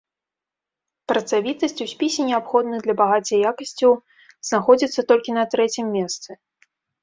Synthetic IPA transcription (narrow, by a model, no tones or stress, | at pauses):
pɾɐt̪savʲit̪ɐsʲt͡sʲusʲpʲisʲinʲɛapxɔd̪nɨd̪lʲɐbaɣat͡sʲɐjakɐsʲt͡sʲɐw | z̥naxɔd͡zʲit̪sːɐt̪ɔlʲkʲinɐt̪ɾɛt͡sʲimːʲɛst̪sɨ